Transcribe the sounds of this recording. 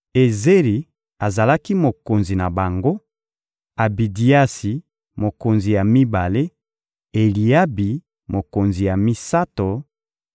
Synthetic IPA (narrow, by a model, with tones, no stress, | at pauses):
e˨ze˦ʁi˨ | a˨za˨la˦ki˦mo˨ko˨nzi˨na˨ba˨ŋɡo˦ | a˨bi˨di˨a˦si˨ | mo˨ko˨nzi˨ja˨mi˦ba˨le˦ | e˨li˨ja˦bi˨ | mo˨ko˨nzi˨ja˨mi˦sa˦to˨